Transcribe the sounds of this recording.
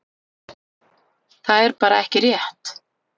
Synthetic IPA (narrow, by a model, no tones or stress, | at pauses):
θaðɛɾpaːɾaɛhcɪrjɛht̪